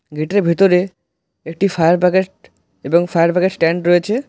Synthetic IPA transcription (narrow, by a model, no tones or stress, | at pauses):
ɡiʈeɾbʱit̪oɾe | ek̚ʈifajaɾpɛkeʈ̚ | eboŋfajaɾpɛkeʈsʈɛɳʈɾojet͡ɕʰe